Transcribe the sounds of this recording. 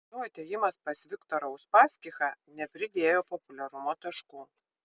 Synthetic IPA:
nʊɐt̪ʲeːjɪmɐspɐsʋʲɪkt̪ɔɾɐʊspɑːsʲkʲɪxɑnʲɛpʲɾʲɪd̪ʲeːjoːpɔpʊlʲɛɾʊmoːt̪ɐʃkuː

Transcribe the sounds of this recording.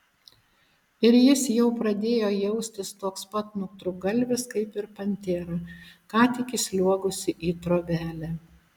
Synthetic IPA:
ɪɾjɪsjɛʊpɾɐd̪ʲeːjoːjɛʊsʲt̪ʲɪst̪oːkspɐt̪nʊk̚t̪ɾʊɡɐlʲˑʋʲɪskɐɪpɪɾpɐnʲt̪ʲeːɾɐkɑːt̪ʲɪkʲɪsʲlʲuɔɡʊsʲɪʔiːt̪ɾoːbʲæːlʲæː

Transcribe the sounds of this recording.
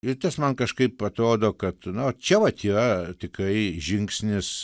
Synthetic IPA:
ɪt̪ɐsmɐnkɐʃkɐɪpɐt̪ɾoːd̪oːkɐt̪nʊɐt͡ʃʲɛʋɐt̪iːɾɐt̪ʲɪkɾɐɪʒʲɪŋksʲnʲɪs

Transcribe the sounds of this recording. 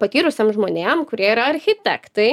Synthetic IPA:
pɐt̪ʲiːɾʊsʲemʒmoːnʲeːmkʊɾʲiɛiːɾɐɐɾʲxʲɪt̪ʲæ̰kt̪ɐɪ

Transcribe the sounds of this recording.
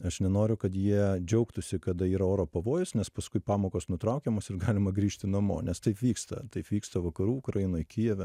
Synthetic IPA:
ɐʃnʲɛnoːɾʲʊkɐt̪jiɛd͡ʒʲɛʊkt̪ʊsʲɪkɐd̪ɐiːɾɐoːɾoːpɐʋoːjʊsnʲɛspɐskʊɪpɑːmoːkoːsnʊt̪ɾɐʊkʲɛmoːsɪɾɡɑːlʲɪmɐɡɾʲiːʃʲt̪ʲɪnɐmo̰ːnʲɛst̪ɐɪpʋʲiːkst̪ɐ̰t̪ɐɪpʋʲiːkst̪ɐʋɐkɐɾuːʊkɾɐjɪnoːjkʲijɛʋʲɛ

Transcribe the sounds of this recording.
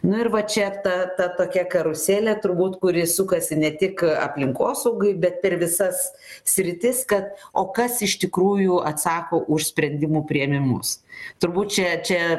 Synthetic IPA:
nʊɪrʋɐt͡ʃʲɛt̪ɐt̪ɐt̪oːkʲɛkɐɾʊsʲeːlʲɛt̪ʊrbuːt̪kʊɾʲɪsʊkɐsʲɪnʲɛt̪ʲɪkɐ̰pʲlʲɪŋkoːsɐʊɡʊɪbʲɛt̪̚pʲɛɾʋʲɪsɐs | sʲɾʲɪt̪ʲɪskɐt̪oːkɐsɪʃt̪ʲɪkɾuːjʊɐt̪sɑːkoːʔʊʃsʲpʲɾʲɛnʲd̪ʲɪmuːpʲɾʲɪɛmʲɪmʊ̰st̪ʊrbuːt̪̚t͡ʃʲɛt͡ʃʲɛ

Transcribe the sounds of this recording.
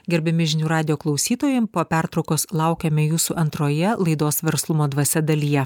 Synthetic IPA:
ɡʲɛɾʲbʲɛmʲɪʒʲɪnʲuːɾɑːd̪ʲɪjoːklˠɒʊsʲiːt̪oːjɛmpoːpʲæɾt̪ɾɒʊkoːslˠɑʊkʲɛmʲɛjuːsuʔɐnt̪ɾoːjɛlˠɐɪd̪oːsʋʲɛɾslˠʊmoːd̪ʋɐsʲɛd̪ɐlʲijɛ

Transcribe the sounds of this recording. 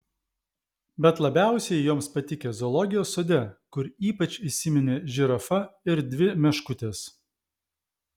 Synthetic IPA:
bʲɛt̪lˠɐbʲæˑʊsʲɛɪjoːmspɐt̪ʲɪkʲezɔlˠɔɡʲɪjoːsːoːd̪ʲɛkʊɾiːpɐt͡ʃʲisʲɪmʲɪnʲeʒʲɪɾɐfɐɪɾd̪ʲʋʲɪmʲɛʃkʊt̪ʲeːs

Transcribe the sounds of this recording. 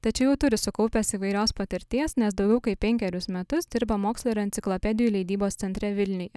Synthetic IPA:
t̪ɐtt͡ʃʲɛʊjɛʊt̪ʊɾʲɪsʊkɐʊpʲɛsiːʋɐɪɾʲoːspɐt̪ʲɪɾʲt̪ʲiɛsnʲɛsd̪ɒʊɡʲɛʊkɐɪppʲɛŋʲkʲɛɾʲʊsmʲɛt̪ʊsd̪ʲɪɾbɐmoːkslˠoɪɾɐnt̪sʲɪklˠopʲɛd̪ʲɪjuːlʲɛɪd̪ʲiːboːst̪sʲɛnʲt̪ʲɾʲɛʋʲɪlʲnʲɪjɛ̰

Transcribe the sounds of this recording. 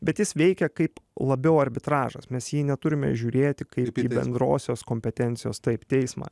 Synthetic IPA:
bʲɛt̪jɪsʋʲɛɪkʲɛkɐɪplˠɐbʲɛʊɐɾʲbʲɪt̪ɾɑːʒɐ̰smʲɛsjiːnʲɛt̪ʊɾʲɪmʲɛ̰ʒʲuːɾʲeːt̪ʲɪkɐɪpiːbʲɛ̰nd̪ɾo̰ːsʲoːskoːmʲpʲɛt̪ʲɛnʲt̪ʲɪjo̰ːst̪ɐɪpt̪ʲɛɪsmɑ̰ː

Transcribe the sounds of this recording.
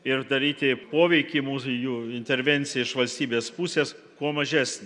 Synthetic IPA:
ɪɾd̪ɐɾʲiːt̪ʲɪpoːʋʲɛɪkʲiːmuːsjuːɪnʲt̪ʲɛɾʲʋʲɛnʲt̪sʲɪjɛɪʃʋɐlʲsʲt̪ʲiːbʲeːspusʲeːs | kuɔmɐʒʲæsʲnʲ

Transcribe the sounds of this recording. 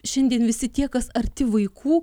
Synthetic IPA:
ʃʲɛnʲd̪ʲiɛnʋʲɪsʲɪt̪ʲiɛkɐsɐɾʲt̪ʲɪʋɐɪkʰuː

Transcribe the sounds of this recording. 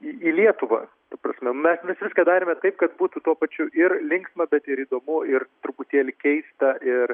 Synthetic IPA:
iiːlʲiɛt̪ʊʋɐ̰ | t̪ɐprɐsʲmʲɛmʲɛsʋʲɪsʋʲɪskɐd̪ɑːɾʲemʲɛt̪ɐɪpkɐt̪buːt̪ut̪uɔpɐt͡ʃʲʊʔɪrlʲɪŋksmɐbʲɛt̪ɪɾiːd̪oːmʊɪrt̪ɾʊpʊt̪ʲiɛlʲɪkʲɛɪst̪ɐʔɪr

